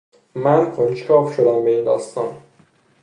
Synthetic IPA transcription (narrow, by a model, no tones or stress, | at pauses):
mænkʰonʃkʰɒːfʃod̪æmbe̞ind̪ɒːst̪ɒːn